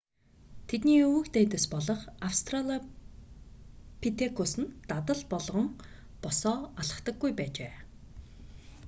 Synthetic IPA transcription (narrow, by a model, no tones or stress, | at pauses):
t̪ʰet̪niːukt̪eːt̪ə̆spɔɮɞ̆χawst̪ʰraɮa | pʰit̪ʰekʰosɘ̆nt̪at̪ə̆ɮpɔɮʁɞ̆ŋ | pɔsɔːaɮə̥̆χt̪ə̆ɡːujpæːt͡ɕeː